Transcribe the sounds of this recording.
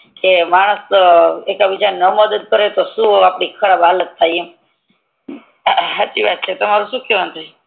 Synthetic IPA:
kemaɽ̃əsekabid͡ʒanəməd̪əd̪̚kəɾet̪oʃũapɽikʰəɽabʱalət̪̚t̪ʰːaje | ɦat͡ʃiʋat̪̚t͡ʃʰet̪omaɾuʃũkʰjeʋənt̪ʰaj

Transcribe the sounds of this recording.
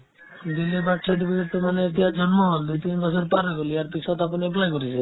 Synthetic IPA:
d̪ilibaʈʰːed̪ibieɾt̪omanet̪iad͡ʒɔnmɔd̪ujt̪inbɔsʰɔɾpaɾɔɡoliaɾpit͡ʃʰɔt̪apɔniɛp̬lajkoɾit͡ʃʰe

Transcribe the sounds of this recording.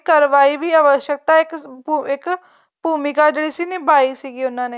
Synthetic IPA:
kəɾʋaːiːʋiːaːʋəʃjək̚t̪aːɪkːɪk | buːmɪkaːd͡ʒeːɽiːsiːneːbaːiːsiːɡiːʊnːãːneː

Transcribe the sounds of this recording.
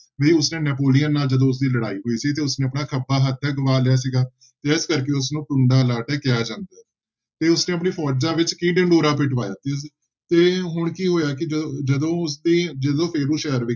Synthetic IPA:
ʋeiːʊsnẽːnɛːpoːlijənːaːld͡ʒəd̪õːʊs̬d̪iːləɽa̰ːiːɦoːiːsiːt̪̬eːʊsneːəpnaːkʰəbːaːɦət̪ʰːɛːɡəʋaːlɪjaːs̬iɡaː | t̪eːɪskəɾkeːʊs̬nũːʈʊɳɖaːlaːʈɛːkɪjaːd͡ʒãːnd̪aː | t̪eːʊsneːəp̬ɳiːpʰɔːd͡ʒãːʋɪt͡ʃkĩːɖə̃ɳɖoːɾaːp̬ɪʈʋaːja̰ːt̪eiː | t̪eːɦʊɳkiːɦoːjaːk̬ɪd͡ʒəd̪õːʊs̬d̪iːd͡ʒəd̪õːpʰɪːɾũːʃɛːəɾʋɪ

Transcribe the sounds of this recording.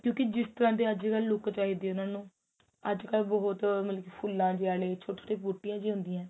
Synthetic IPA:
kjõːkɪd͡ʒɪst̪əɾãːt̪eːəd͡ʒkəlːʊkt͡ʃaːɦiːd̪eːʊnãːnũː | əd͡ʒkəlbɔɦʊt̪məlkipʰʊlːãːd͡ʒeaːleːt͡ʃʰoːʈeːoʈeːpuːʈːɪjãːd͡ʒiːɦʊ̃nd̪iːãː

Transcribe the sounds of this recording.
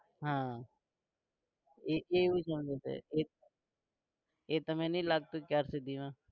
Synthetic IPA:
ɦãː | eːeːiːsəmd͡ʒeːt̪ḛeː | eːt̪əmẽːnĩːlaːɡ̚t̪ukaːɾsed̪iʋãː

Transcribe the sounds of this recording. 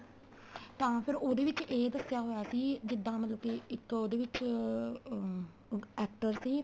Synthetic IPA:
t̪ãːpʰɪɾoːd̪eːʋɪt͡ʃeːd̪əsjaːɦoːjaːsiːd͡ʒɪd̪ːãːmət̪ləbkeːɪkːoːd̪eːʋɪt͡ʃ | ɛːkʈəɾsiː

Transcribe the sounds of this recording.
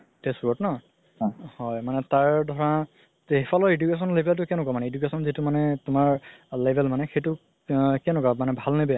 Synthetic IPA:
tesɹɔtnɔ | hɔjmanɛtaɹdʱɔɹa | ɦpʰɔlɔedjukes̬ɔnlebʱɛlt̬ʊkɛnʊkamanɛedukesɔnzitʊmanɛtʊmaɹlebʱɛlmanɛxejtʊ | kɛnʊkamanɛbʱalnebɛ

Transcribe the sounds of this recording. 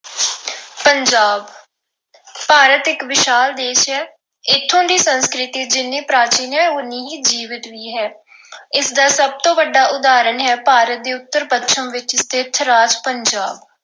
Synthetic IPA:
pəɲd͡ʒaːb | paːɾət̪ɪkʋɪʃaːld̪eːʃɦɛː | ɪt̪ʰːõːɖ̪iːsənskɾɪt̪iːd͡ʒɪnːĩːpɾaːt͡ʃiːnɛ̃ːʊniːɦiːd͡ʒiːʋɪt̪ʋiːɦɛː | ɪsd̪aːsəb̚t̪õːʋəɖaːʔʊd̪aːɾənɦɛːpaːɾət̪̚d̪eːʊt̪ːəɾpət̪ːʃʰəmʋɪt͡ʃst̪ɪt̪ʰɾaːd͡ʒpəɲd͡ʒaːb

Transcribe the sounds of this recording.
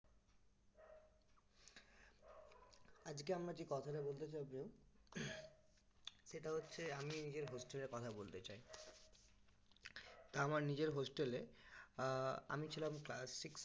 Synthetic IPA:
ad͡ʑkeamɾakikɔt̪ʰaʈabolt̪et͡ɕawpnew | ʃeʈaɦotːɕʰeaminid͡ʑeɾɦosʈeleɾkɔt̪ʰabolt̪et͡ɕaj | t̪aamaɾnid͡ʑeɾɦosʈele | a̰mit͡ɕʰilamklasiks

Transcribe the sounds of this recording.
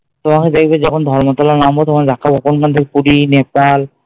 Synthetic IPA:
t̪omaked̪akibɛzɔkʰond̪ʱɔɹmɔt̪alanambɔt̪ɔmad̪ʱakʰːabokonkant̪ʰikepuɾinepal

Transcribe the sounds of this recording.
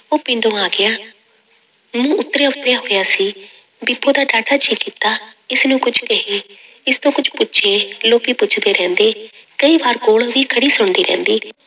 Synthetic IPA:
oːpɪ̃ɳɖõːaːɡɪjaː | mũːʊt̪ːɾjaːʊt̪ːɾejaːɦoːjaːsiː | bɪpʰːõːd̪aːɖaːʈaːt͡ʃʰiːkːiːt̪aːɪsnũːkʊd͡ʒkəɦiː | ɪst̪õːkʊd͡ʒpʊt͡ʃʰeːloːkiːpʊt͡ʃʰd̪eːɾɛ̃ːnd̪eː | kəiːbaːɾkoːɭʋiːkʰəɽiːsʊɳd̪iːɾɛ̰̃ːnd̪iː

